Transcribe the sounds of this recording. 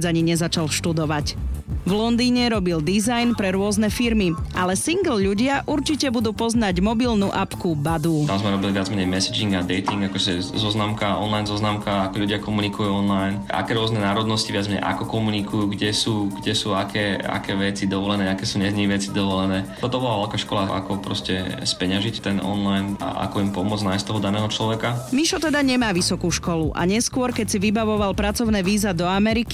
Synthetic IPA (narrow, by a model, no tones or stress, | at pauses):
d͡zaɲiɲɛzat͡ʃalʃt̪ud̪ɔʋacvlɔnd̪iːɲɛɾɔbild̪izajnpɾɛɾʊɔznɛfiɾmiʔalɛsiŋɡl̩ʎuɟɪaʔuɾt͡ʃicɛbud̪uːpɔznaɟmɔbilnuʔapkubad̪ut̪amzmɛɾɔbiliʋɪad͡zmɛɲɛjmɛsid͡ʒiŋɡad̪ɛjt̪iŋɡakɔʒɛzɔznamkaɔ̰nlajnzɔznamkaakɔʎuɟɪakɔmunikujuːɔnlajnʔa̰kɛːɾʊɔznɛnaːɾɔd̪nɔsciʋɪad͡zmɛɲɛ̰ʔa̰kɔkɔmunikujuːɡɟɛsuːɡɟɛsuːakʰɛːa̰kɛːʋɛt͡sid̪ɔʋɔlɛnɛːakɛːsuːɲɛzɲɛʋɛt͡sid̪ɔʋɔlɛnɛːt̪ɔt̪ɔbɔlaʋɛlkaʃkɔlaʔa̰kɔpɾɔ̰scɛspɛɲaʒict̪ɛnɔ̰nlajna̰ʔa̰kɔimpɔmʊɔd͡znajst̪t̪ɔɦɔd̪anɛːɦɔt͡ʃlɔʋɛkamiʃɔt̪ɛd̪aɲɛmaːʋisɔkuːʃkɔluʔa̰ɲɛskʊɔɾkɛcsiʋibaʋɔʋalpɾat͡sɔʊnɛʋiːzad̪ɔamɛɾiki